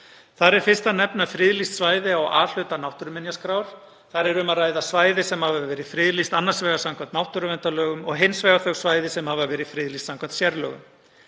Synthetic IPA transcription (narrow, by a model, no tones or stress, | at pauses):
θaɾɛɾ̥fɪ̥st̪anɛpnafɾɪːðlist̪svaːjðɪawa̰ːl̥ʏt̪anawht̪ʏɾʏmɪnjaskɾaːwɾ̥ | θaɾɛɾʏmaraːjðasvaːjðɪsɛmhavavvɛːɾɪ̥fɾɪːðlist̪anːaɾsvɛːɣasamkʰvant̪nawht̪ʏɾʏvɛnt̪alœːɣʏmɔɣɦɪnsvɛːɣaθœɣsvaːjðɪsɛmhavavɛːɾɪðfɾɪːðlist̪samkʰvant̪sjɛɾlœ̰ːɣʏ̰m